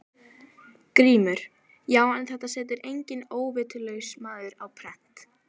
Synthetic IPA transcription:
kɾiːmʏɾ̥ | jaːwanθɛht̪ːasɛːt̪ɪɾʔejɲcɪnoːwvɪːt̪ʏlœɣsmaːðʏɾawpʰɾɛht̪

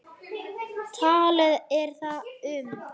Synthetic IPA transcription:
t̪ʰaːlɪðɛɾ̥θaʏm

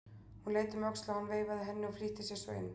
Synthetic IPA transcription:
hunleːjt̪ɪmœkst̪lahanːveːjvaðɪɦɛnːɪɔfliːht̪ɪsjɛɾsvḛɪ̰nː

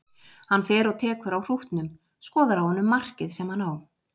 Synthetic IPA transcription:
hanːfɛːɾɔɣt̪ʰɛːkʏɾawr̥uht̪nʏm | skɔːðaɾawhɔnːʏmːar̥cɪðsɛmhanaːw

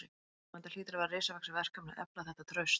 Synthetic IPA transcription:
ɪ | ɛnt̪al̥iːt̪ɪɾavaɾreːsavaksavɛr̥kamna̰ðʔɛ̰plaθɛht̪at̪ʰɾœɥst̪

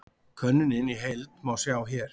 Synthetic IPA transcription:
kʰœnːɪnɪniɦejlt̪mawsjaːwçɛːɾ̥

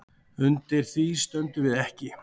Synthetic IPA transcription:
ʏnt̪ɪɾ̥θist̪œnt̪ʏvɪðɛhcɪ

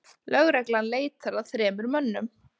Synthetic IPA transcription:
lœɣɾɛklanleːjt̪θaɾaðθɾɛːmʏɾmœnːʏm

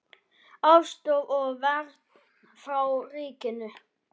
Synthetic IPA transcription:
awst̪owɔɣvɛɾt̪n | θɾawriːcɪnʏ

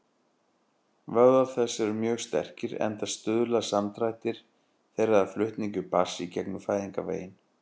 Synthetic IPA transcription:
vœɣðaθɛsːɛɾʏmjœːɣst̪ɛ̰r̥cɪɾɛ̰nt̪ast̪ʏðlasamt̪ɾajt̪ɪɾ̥ | θejɾaðaðflʏht̪niŋcʏpasicɛknʏfaːjðiŋkavḛːjɪn

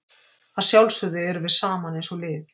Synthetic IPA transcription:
aðsjawlsʏðɪɛɾvɪðsaːmanejnsɔlɪːθ

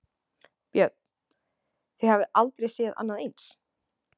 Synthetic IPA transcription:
pjœt̪̚ | θejhavɪʔalt̪ɾejsɛða̰nːaðejns

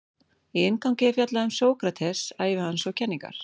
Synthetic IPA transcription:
iɪnkawŋcɪɪfjat̪laʏmsoːwkɾat̪ʰɛsaːjvɪhanːsɔwcʰɛnːiŋka̰ɾ̥

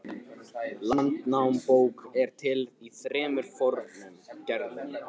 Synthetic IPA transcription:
lant̪nawmpoːwkɛɾ̥t̪ʰɪliθɾɛːmʏɾ̥fɔɾnʏncɛɾðʏ

